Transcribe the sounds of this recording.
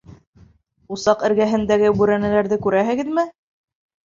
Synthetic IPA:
usɑqɘ̆ɾɡæɦɘ̆nd̪æɡɘbʉɾænælæɾðɘkʉɾæɦɘ̆ɡɘ̆ðmɘ

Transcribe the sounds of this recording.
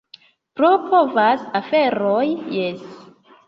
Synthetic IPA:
pɾo̞pʰo̞vasafe̞ɾojjes

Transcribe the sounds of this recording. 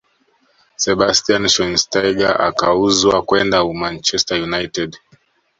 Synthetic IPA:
sɛbastianʃɔnstajɡaʔa̰kauzwakwɛndaumant͡ʃɛstajunajtɛd

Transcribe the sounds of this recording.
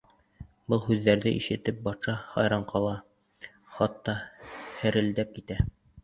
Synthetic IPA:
bɤlˠɦʉðːæɾðɘʔiʃɘ̆t̪ɘp̚bɑt̪ʃɑhɑjɾɑɴqʰɑlˠɑ | χɑt̪ːɑhɘ̆ɾɘ̆ld̪æp̚kit̪æ

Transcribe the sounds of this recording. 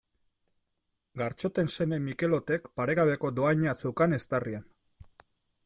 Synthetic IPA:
ɡaɾt͡ʃo̞t̪e̞nse̞me̞mike̞lo̞t̪e̞kpaɾe̞ɣaβe̞ko̞d̪o̞ajɲat͡sewkane̞st̪arian

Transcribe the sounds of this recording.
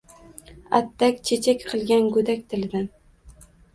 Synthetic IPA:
a̰t̪ːakʲt͡ʃʰet͡ʃʰakʲqʰɨlˠɡʲanɡʊd̪akʲt̪ʰɪlɪd̪an

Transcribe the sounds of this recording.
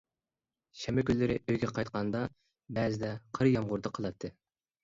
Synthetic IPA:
ʃɛmɛkʲynllːɪɾɪ̰ʔøjɡʲɛqʰɑjt̪qɑnd̪ɑ | bɛzɪd̪ɛqʰəɾjɑmʁʊɾd̪ɑqʰəlˠɑt̪ʰːɨ

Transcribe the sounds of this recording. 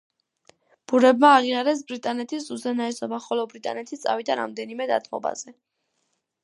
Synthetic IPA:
b̥uɾɛbmaːʁiaɾɛs̬bɾit̪ʼanɛt̪ʰisuzɛnaɛsɔbaχɔlɔbɾit̪ʼa̰nɛt̪ʰit̪sʼa̰vid̪aɾa̰md̪ɛnimɛd̪a̰t̪ʰmɔ̰ba̰z̥ɛ

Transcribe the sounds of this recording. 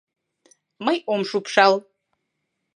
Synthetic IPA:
majomʂupʰʂalˠ

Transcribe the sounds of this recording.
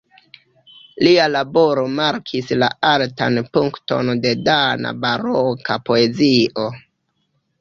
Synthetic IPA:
lialabo̞ɾo̞maɾkʰislaalta̰npuŋkto̞̰nde̞dana̰baɾokapo̞e̞ziʔo̞

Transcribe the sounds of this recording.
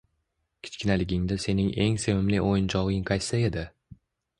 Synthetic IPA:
kʲʰɪ̥t͡ʃkʲɪnalɪɡʲɪŋd̪ɪse̞nɪŋʔe̞ŋsewɪmlɪʔojɪnt͡ʃʰɒʁɪŋqʰajsae̞d̪ɪ

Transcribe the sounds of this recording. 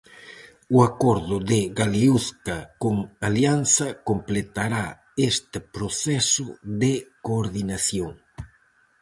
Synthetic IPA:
uakɔɾðʊðɪɣaliuskakoŋaljanθɐkomplet̪aɾa | est̪ɪpɾoθɛsʊðekoːɾðinaθjoŋ

